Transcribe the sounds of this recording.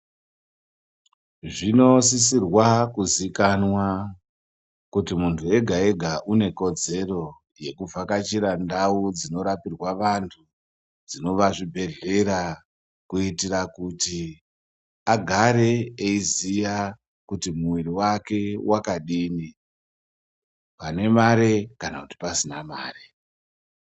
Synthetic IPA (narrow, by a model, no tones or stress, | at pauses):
ʐino̞sisirwakuzikanwa | kutimuntʰue̞ɡʱae̞ɡʱaʔune̞ko̞d͡ze̞ro̞ | je̞kuvakat͡ʃiɾandaud͡zino̞ɾapirwaʋantʰu | d͡zino̞ʋaʐibʱe̞ɮe̞ɾa | kuitirakuti | aɡʱaɾe̞eizija | kutimuwiriwake̞wʔakaɗiːni | pane̞maɾe̞kanakuti̥pasinamaːre